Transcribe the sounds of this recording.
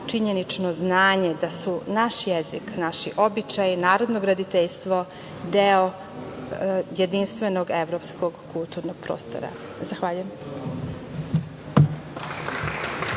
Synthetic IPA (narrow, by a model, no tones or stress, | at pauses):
t͡ʃiɲenit͡ʂnoznaːɲe̞d̪asunaʃjeziknaʃiʔo̞bit͡ʃajinaːɾo̞d̪noɡɾad̪it̪eʎst̪ʋo̞ | d̪eo | je̞d̪inst̪ʋenoɡe̞ʋɾoːpskʰoɡkulˠt̪uɾnoɡ̥̚pɾo̰ːst̪o̰ɾa̰ | zaxʋaʎujem